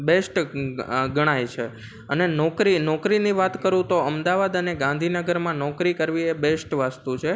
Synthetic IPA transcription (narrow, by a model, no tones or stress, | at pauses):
besʈ | ɡəɽ̃ajt͡ʃʰe | ənenɔkɾinɔkɾiniʋat̪kəɾũt̪oəmd̪aʋad̪əneɡãnd̪ʱinəɡəɾmãnɔkɾikəɾʋiebesʈʋast̪ut͡ʃʰe